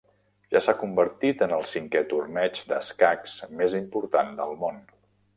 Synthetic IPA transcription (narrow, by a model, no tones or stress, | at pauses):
ʒasakumbəɾt̪it̪ənəlˠsiŋkɛt̪urnɛd͡ʒd̪əskaksmezimpuɾt̪and̪əlˠmon